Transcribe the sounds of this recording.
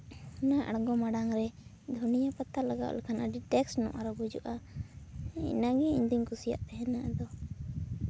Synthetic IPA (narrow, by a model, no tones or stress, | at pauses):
naʔa̰ɽɡɔmaɽaŋɾɛ | d̪ʱunijapat̪alaɡa̰ʔlɛkʰanaɖiʈɛksnɔ̰ʔaɾɔbud͡ʒṵʔa | ḭnaɡɛiɲd̪iŋkusija̰ʔt̪ɛɦɛnaʔad̪ɔ